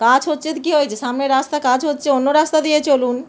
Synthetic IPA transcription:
kãd͡ʑɦotːɕʰet̪ikiɦojet͡ɕʰeʃamneɾast̪akãd͡ʑɦotːt͡ɕʰeonːoɾast̪ad̪ijet͡ɕolun

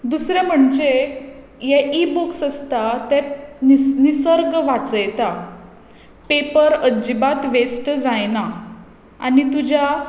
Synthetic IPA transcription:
d̪usɾjam̤əɳd͡ʑe | jɛʔibuksəst̪at̪ɛ | nisəɾɡʋat͡səjt̪a | pepəɾəd͡ʑibat̪ʋesʈd͡zajna | a̰nit̪ud͡ʑʱa

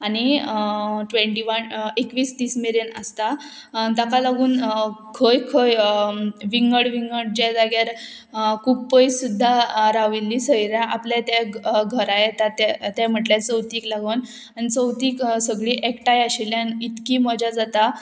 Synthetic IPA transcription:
añi | ʈʋẽɳʈiʋənekʋiːst̪iːsmeɾenə̰st̪a | t̪akalaɡuːnkʰəjkʰəj | ʋiŋɡəɽʋiŋɡəɽd͡ʑad͡zaɡjaɾ | kʰuːb̚pəjsud̪ʱːaɾaʋilːisəjɾjãʔapljat̪aɡʱəɾajet̪at̪at̪am̤əʈlat͡səwt̪iːklaɡən | anit͡səwt̪iːksəɡɭiːʔekʈajaɕiljanit̪kimɔd͡ʑʱjad͡zat̪a

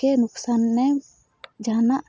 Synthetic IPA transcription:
enuksanːɛ | d͡ʒanaʔ

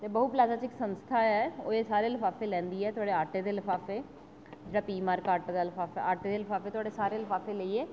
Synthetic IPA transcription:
t̪eːbəɦuːplaːd͡ʒaːt͡ʃɪksənst̪ʰaːɛːoːeːsaːɾeːlɪfʰaːfeːlɛ̃ːnd̪iːɛːt̪ʊaːɖeːaːʈeːd̪eːləfʰaːfeː | d͡ʒeːɽaːpiːmaːɾkaːʈd̪aːlɪpʰaːfɛ̰aːʈeːd̪eːlɪpʰaːfeːt̪ʊaːɖeːsaːɾeːlɪpʰaːfʰeːləiːɛː

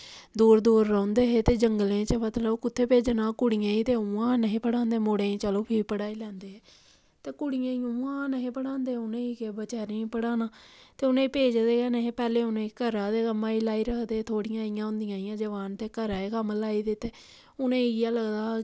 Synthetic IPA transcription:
d̪uːɾd̪uːɾːãːnd̪eːɦeːt̪eːd͡ʒəŋɡəlẽːt͡ʃəmət̪ləkʊt̪ʰːeːpeːd͡ʒnãːkʊɽɪjãːiːt̪eːuãːnəɦĩːpəɽãːnd̪eːmoːɽẽːĩːt͡ʃəloːpʰipəɽaːiːlɛ̃ːnd̪eːɦɛː | t̪eːkʊɽɪjãːijãuãːnəɦẽːpəɽãːnd̪eːʊnẽːiːkebət͡ʃɛːɾẽpəɽaːnaːt̪eːʊnẽːpeːd͡ʒd̪eːkɛːneːɦẽːpɛːleːʊnẽːkəɾaːd̪eːkəmːãːiːlaːiːɾəkʰd̪eːt̪ʰoːɽɪjãːɪjãːʊ̃nd̪ɪjãːɪ̃jãːd͡ʒəʋaːnt̪eːkəɾaːekəmlaːiːd̪eːt̪eː | ʊnẽːiɡɪjãːləɡd̪aː

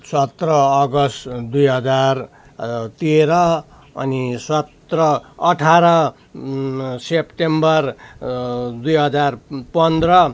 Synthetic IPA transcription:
sʌt̪rʌːɡʌsʈd̪ujɦʌd͡zar | t̪eɾʌ | ʌ̰nisʌt̪rʌʌʈʰaɾʌ | sepʈembʌr | d̪ujɦʌd͡zarpʌnd̪rʌ

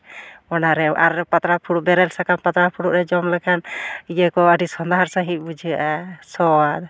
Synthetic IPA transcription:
ɔnaɾɛʔaɾɛpat̪ɾapʰuɽuʔbɛɾɛlsakanpat̪ɾapʰuɽuʔɾɛd͡ʒɔmlɛkʰanijəkɔəɖisɔnd̪aɦaɾsaɦit̪̚bud͡ʒiʔasɔad̪

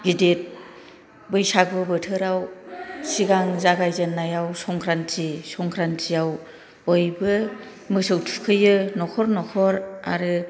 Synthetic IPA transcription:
ɡidet̚ | bɯjsaɡɯbɯtʰɯɾawsiɡaŋzaɡajzenːajawsɔŋkʰɾantʰisɔŋkʰɾantʰijaw | bɔjbɯ | mɯsɯwtʰu̥kʰɯjɯnɔkʰɔɾnɔkʰɔɾa̰ɾɯ

